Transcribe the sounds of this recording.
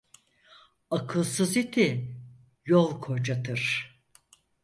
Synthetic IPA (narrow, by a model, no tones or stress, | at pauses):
akʰɯlˠsɯzit̪ʰɪ | jolˠkʰo̞d͡ʒat̪ʰɯɾ̥